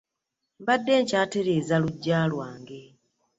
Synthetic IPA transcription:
mβadːe̞ːɲcaːte̞ɾe̞ːzaluɟːaːlwaːŋɡe̞

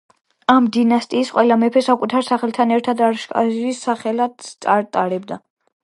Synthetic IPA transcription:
amd̪inast̪ʼiːsqʼwɛlamɛpʰɛsakʼut̪ʰaɾsaχɛlt̪ʰanɛɾt̪ʰad̪aɾʃkʼa̰ʒisaχɛlad̪̥t̪sʼaɾt̪ʼaɾɛbd̪a

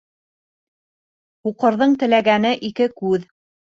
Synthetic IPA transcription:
uqɤ̆ɾðɤɴt̪ɘ̆læɡænɘʔikɘkʉð

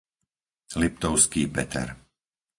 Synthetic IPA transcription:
lip̚t̪ɔʊskiːpɛt̪ʰɛ̰ɾ

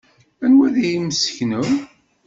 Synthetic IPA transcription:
ænwæðijiməsə̥çnə

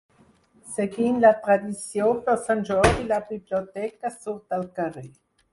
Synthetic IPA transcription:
seɡinlat̪ɾad̪isjoposanʒɔɾilabiblot̪ɛkasuɾd̪alkaʁe

